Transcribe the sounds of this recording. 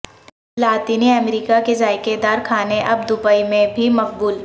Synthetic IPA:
laːt̪iːniɐmɾiːkakezaːjkeɾd̪aːɾkʰaːneʔɐb̚d̪ʊbaːimẽbʱimɐfbuːl

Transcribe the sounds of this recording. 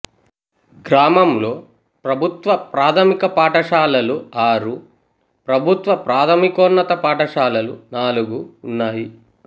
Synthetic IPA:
ɡɾaːmɐmlo̞ː | pɾɐbʱut̪ʋɐpɾaːt̪ʰɐmikɐpaːʈɐʂaːlɐluaːɾu | pɾɐbʱut̪ʋɐpɾaːt̪ʰɐmikoːnːɐt̪ɐpaːʈɐʂaːlɐlṵnaːluɡuːnːaːji

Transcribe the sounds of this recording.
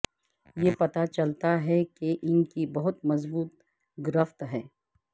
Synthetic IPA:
jeːpɐt̪at͡ʃɐlt̪aɦɛkeʔɪnkibɐɦʊt̪mɐzbuːt̪̚ | ɡɾəft̪ɦɛː

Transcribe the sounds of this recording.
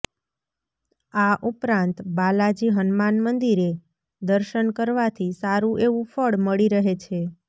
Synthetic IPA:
aʔupɾãnt̪balad͡ʒiɦənmanmənd̪iɾe | d̪əɾʃənkəɾʋat̪ʰisaɾũʔeʋũfʰəɽməɭiɾəɦet͡ʃʰe

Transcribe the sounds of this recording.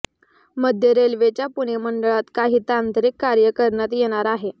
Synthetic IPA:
məd̪ʱjəɾelʋet͡ɕjapuɽ̃eməɳɖəɭat̪kaɦiːt̪ant̪əɾikːaɾjəkəɾɳat̪jeɽ̃aɾaɦe

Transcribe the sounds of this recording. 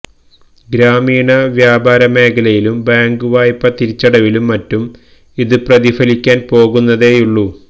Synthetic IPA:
ɡɾaːmiːɳɐʋjaːbaːɾɐme̞ːkʰɐlɐjilumbaːŋɡuʋaːjpːɐt̪iɾit͡ɕːɐɽɐʋilumːɐtːum | iðɨprɐðifɐlikʲːaːnpo̞ːɣunːɐðe̞ːjuɭːu

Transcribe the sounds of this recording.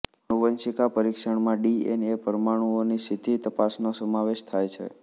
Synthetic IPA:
nuʋənsikapəɾikʃəɳmãɖienepəɾmaɽ̃uonisʰit̪it̪əpasnosəmaʋeʃt̪ʰajt͡ʃʰḛ

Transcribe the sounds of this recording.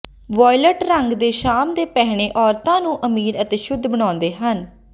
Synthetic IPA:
ʋɔːɪləʈɾəŋɡd̪eːʃaːmd̪eːpɛɦɽ̃eːʔɔːɾt̪ãːnũːʔəmiːɾət̪eːʃʊd̪ːbəɽ̃ãːnd̪eːɦən

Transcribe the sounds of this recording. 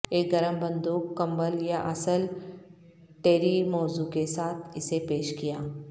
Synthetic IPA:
eːk̚ɡɐɾəmbɐ̃nd̪uːkːɐ̃mbəljaʔɐsəl | ʈeːɾimɔːzukesaːt̪ʰɪsepeːʃkijaː

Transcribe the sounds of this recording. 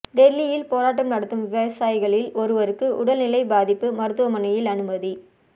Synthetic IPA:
d̪ɛɾːɪjɪlpoːɾaːʈ̬ːɐmnɐɽɐt̪ːɯmʋɪʋɐʋɐsaːjɪɣɐɭɪlɔɾɯʋɐɾɯkːɯʔʊɽɐlnɪlɐɪbaːðɪpːɯmɐɾɯt̪ːɯʋɐmɐnɐjɪlɐnɯmɐði

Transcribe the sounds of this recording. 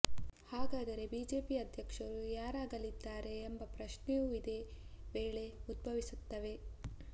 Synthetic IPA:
haːɡaːd̪ɐɾe̞biːd͡ʒe̞ːpiɐd̪ʱjɐkʂɐɾujaːɾaːɡɐlid̪ːaːɾe̞ːmbɐpɾɐʃnejuid̪e̞ʋeːɭe̞ud̪̚bʱɐʋisut̪ːɐʋe̞

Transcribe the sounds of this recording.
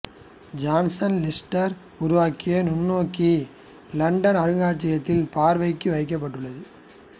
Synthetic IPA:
d͡ʒaːnsɐnlɪsʈɐɾ | ʊɾʊʋaːkːɪjɐnʊnːoːkːi | lɐɳɖɐnɐɾɯɣaːt͡ʃːɪjɐt̪ːɪlpaːɾʋɐɪkːɯʋɐɪk̬ːɐp̬ːɐʈːɯɭːɐðɯ

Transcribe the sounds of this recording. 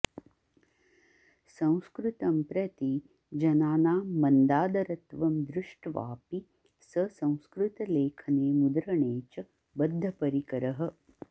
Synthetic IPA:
sɐ̃w̃skɾɪt̪ɐmpɾɐt̪i | d͡ʒɐnaːnaːmɐnd̪aːd̪ɐɾɐt̪ʋɐmd̪ɾɪʂʈʋa̰ːpi | sɐsɐ̃w̃skɾut̪ɐleːkʰɐneːmud̪ɾɐɳeːt͡ʃɐ | bɐd̪ʱːɐpɐɾikɐɾɐɦɐ̆

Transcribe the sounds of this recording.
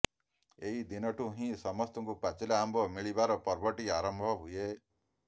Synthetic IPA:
eɦid̪inɔʈuɦĩsɔmɔst̪ɔŋkupat͡ʃilaːmbʱɔmiɭibaɾɔpɔɾbɔʈiaɾɔmbʱɔɦuje

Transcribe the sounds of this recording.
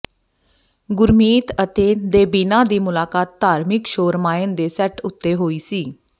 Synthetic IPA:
ɡʊɾmiːt̪ət̪ed̪eːbinãd̪iːmʊlaːkaːt̪ːaːɾmɪkʃoːɾmaːẽnd̪esɛʈʊt̪ːeɦoːiːsiː

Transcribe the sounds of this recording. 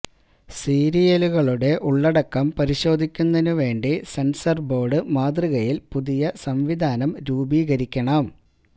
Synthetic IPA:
siːɾijeluɣɐɭuɽe̞ʔuɭːɐɽɐkːɐmpɐɾiɕo̞ːd̪ʱikʲːunːɐnuʋe̞ːɳɖisensɐrbo̞ːɽɨmaːd̪riɣɐjilpuðijɐsɐmʋid̪ʱaːnɐmɾuːbiːɣɐɾikʲːɐɳɐm

